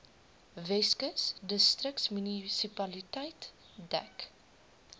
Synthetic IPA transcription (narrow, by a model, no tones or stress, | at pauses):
vɛskəsdəstrək̚tsmynisipɐlitɛjt | dɛ̰k